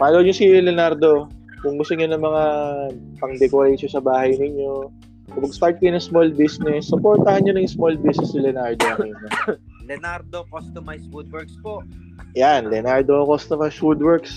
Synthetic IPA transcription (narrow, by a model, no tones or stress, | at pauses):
paːloːɲosilɛnaɾd̪o̞ | kʊŋɡʊst̪ʊɲonɐŋmɐŋapɐŋd̪ɛkoɾeːʃosɐbaːɦɐjnɪɲo̞ | sopɐɡst̪aɹt̪̚kɐjonɐŋsmolbisnɛsːʊpoɹt̪ɐhɐnɲonɐŋsmolbisnɛsːɪlɛnaɹd̪oɐɲɐ | lɛnaɾd̪okost̪omɐjswud̪̚wɛɹk̚spoʔ | janlɛnaɹd̪okost̪omɐjsud̪wɛɹks